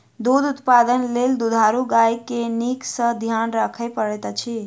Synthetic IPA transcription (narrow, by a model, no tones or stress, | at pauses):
d̪ud̪ut̪pad̪ənleld̪ud̪ʱaɾuɡajkeniksə̃d̪ʱjanɾəkʰəɪpəɽɛt̪t͡ʃʰi